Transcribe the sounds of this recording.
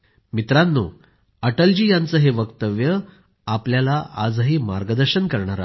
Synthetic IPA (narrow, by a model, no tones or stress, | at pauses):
mit̪ɾanːṵː | əʈəld͡ʑiːjant͡səːɦeʋəkt̪əʋjə | apljalaʔad͡zɦiːmaɾɡəd̪əɾɕənkəɾɳaɾa̰